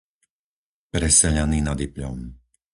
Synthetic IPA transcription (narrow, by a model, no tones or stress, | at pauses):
pɾɛsɛʎaniːnad̪ipʎɔm